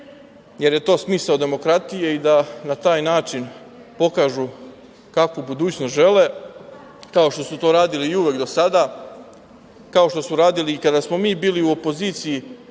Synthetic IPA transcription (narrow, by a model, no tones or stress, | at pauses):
je̞ɾje̞t̪o̞ːsmisaod̪e̞mo̞kɾat̪ijeid̪anat̪aːjnaːt͡ʃin | po̞kaːʒu | kakubud̪uːt͡ɕnost̪ʒe̞le̞ | kao̞ʃt̪o̞sut̪o̞ːɾaːd̪iliːuʋe̞kd̪o̞sad̪a | kao̞ʃt̪o̞suɾaːd̪iliːkad̪asmo̞miːbiːliuo̞po̞ziːt̪siji